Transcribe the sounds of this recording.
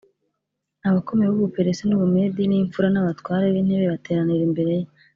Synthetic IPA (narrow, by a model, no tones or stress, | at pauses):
aβako̞meeβuβupe̞ɾesenuβumediniɱfuɾanaβatwaːɾeβin̥heβeβate̞ːɾaniɾimbe̞ɾe̞je